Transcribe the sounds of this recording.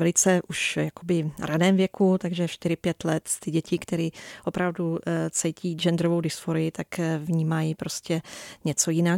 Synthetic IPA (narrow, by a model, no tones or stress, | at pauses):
vɛlɪt͡sɛʔuʃjako̞bɪɾʔadɛːmvjɛkut̪aɡʒɛʃt̪ɪɾɪpjɛt̪lɛt̪st̪ɪɟɛcɪkt̪ɛɾiːʔo̞pɾavdut͡sɛjcʰiːd͡ʒɛnd̪ɾovowdɪsfoɾɪjɪt̪akvɲiːmajipɾo̞scɛɲɛt͡so̞jɪna